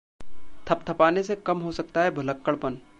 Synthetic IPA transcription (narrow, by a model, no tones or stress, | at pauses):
t̪ʰɐp̚t̪ʰɐpaːnesekɐmɦosɐk̚t̪aɦɛbʱʊləkːəɭpən